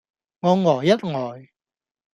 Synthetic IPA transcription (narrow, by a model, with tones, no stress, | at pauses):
ŋɔː˨˧ŋɔː˨˩jːɐ˦˥t̚ŋɔː˨˩j